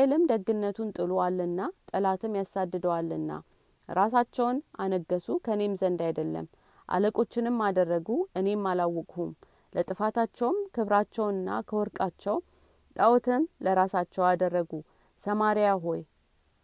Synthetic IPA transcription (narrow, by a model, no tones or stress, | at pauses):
lɨmd̪əɡːɨnːət̪ʰunt̪ʼɨlualːɨnːat̪ʼəlat̪ʰɨmjasad̪ːɨd̪əwalːɨnːa̰ | ɾas̬at͡ʃːɛwnʔanəɡːəsukʰəne̞mzənd̪ajd̪əlːə̰m | ʔa̰ləkʼo̞t͡ʃːɪnɨmːad̪ərːəɡuɨne̞mːalawːɔkʼhum | lət̪ʼɨfat̪ʰat͡ʃːɛwmkʰɨβɾat͡ʃːɛwɨnːa̰kʰəwɔɾkʼat͡ʃːɛw | t̪ʼəwt̪ʰɨnləɾasat͡ʃːɛwad̪ərːəɡu | səmaɾijaɦo̞j